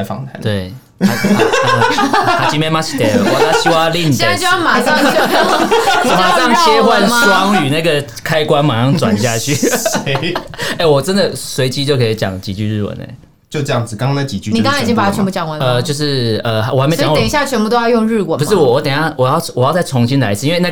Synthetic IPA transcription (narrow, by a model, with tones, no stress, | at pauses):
fɑ̰˨˩ŋt̪ʰa˧˥˦t̪we˥˩ɪ˧˩˧ | a˨˩t͡ɕi˧˥mɛ˥ma˥t͡ɕʰi̥˨˥t̪ɛ̰˧˨˩wɔ˨˩˥ɕi˥wa˥˧li˥˩n˨ɕɛ˥n˥˧˩t͡ɕo˥˧jɑ˥˩ma˨˩˥ə˨˩mə˨t̪ɑ˥ŋʰjɛ˦˥wa˥˧˨nswɑ˦ŋy˨˩na˥˩ɡə˨ | kʰa˦ɪkwa˦nma˨˩ɑ˥˩ŋt͡swa̰˨nɕja˥˧t͡ɕʰy˥˨˥ | e˥˩ɪwɔ˨˩ʈ͡ʂə˦nd̪ə˨swe˧˥ɪt͡ɕi˧˥t͡ɕjo˥˧ʊkʰe˧i˨˩t͡ɕjɑ̰˨˩ŋt͡ɕi˨˩t͡ɕy˥˧ɻɻ̩˥˩wə̰˨˩˦nḛ˧˩˦ | t͡ɕjo˥˧ʊʈ͡ʂjɑ˥˨ŋd͡zɹ̩˨˩kɑ˥˦ŋkʰna˥˩t͡ɕi˨˩t͡ɕy˥˧ni˨kŋʰaa˥˧i˨t͡ɕi˥ŋpa˨˧˩a˥˩ɛ˧˥mbu˥˧t͡ɕjɑ˨˦ŋwa˧˥˩ə˧˩t͡ɕjo˥˧ʊʂ̬ɻ̩˥˩ə˧˩wne˧˥sə˨˩˧ɕja˥˩t͡ɕʰɛ˧npu˥˧t̪o˥ʊjɑ˥˧jo˥˧ŋɻɻ̩˥˩wə˨˩pu˧˦ʂɻ̩˥˩wɔ˨˩wɔ˧˦t̪ə˨˩njɑ˥˩ʊwɔ˨jɑ˥˩ʊwɔ˨˩jɑ˥˧ʊt͡sa˥˩ɪʊ˧˦ŋɕi˧˦nla˧˦ɪt͡sʰi˦nwe˥˧na˥˩